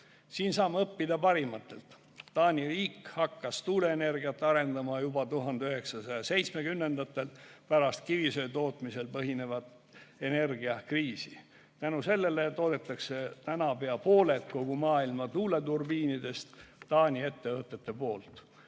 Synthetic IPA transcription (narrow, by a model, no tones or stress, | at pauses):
siːnsɑːmɑɤpːid̪ɑpɑɾimɑt̪ːˑe̞̰lt̪ː | ɑːnʲiriːkhɑkːɑst̪uːle̞ːne̞rɡ̥iɑt̪ːˑɑɾe̞nd̪ɑmɑjubɑt̪uɦɑnd̪eyɦe̞ksɑsɑjɑse̞jt̪sme̞kymnːe̞nd̪ɑt̪ːˑe̞lpæɾɑst̪̚kivisø̞jt̪o̞ːt̪ˑmise̞lpɤɦine̞vɑt̪ | e̞ne̞rɡiɑkriːsi | t̪ænuse̞lːe̞let̪ːoːd̪̥e̞t̪ːˑɑkse̞t̪ænɑpe̞ɑpo̞ːle̞t̪ko̞ɡ̥umɑːilmɑt̪uːle̞t̪urbiːnid̪e̞st̪ːɑːnʲie̞t̪ːe̞vɤt̪ːˑe̞t̪ːˑe̞po̞ːlt̪